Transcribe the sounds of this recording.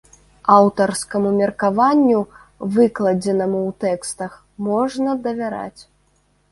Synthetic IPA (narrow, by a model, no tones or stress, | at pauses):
awt̪ɐrskɐmumʲɛrkavanʲːu | vɨklˠɐd͡zʲɛnɐmuwt̪ɛkst̪ɐx | mɔʐnɐd̪ɐvʲaɾa̰t͡sʲ